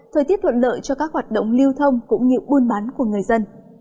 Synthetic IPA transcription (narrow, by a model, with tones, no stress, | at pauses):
t̪ʰəː˨˩t̪i˦˥ət̚ʰwə̰˧˨nlə̰ː˧˨jt͡ɕɔ˧kaː˦˥k̚hwaː˨˩t̚ɗə̰˧˨wŋ͡mli˧əwt̪ʰə˧wŋ͡mkʊ̰˧˥ŋ͡mŋḭ˧˨wɓu˧ənɓaː˨˦nku˧˩əŋɨ˨˩əjzə˧n